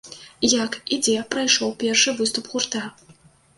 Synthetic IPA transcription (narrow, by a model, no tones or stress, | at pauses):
jakid͡zʲɛpɾajʂɔwpʲɛrʂɨvɨst̪upɣurt̪a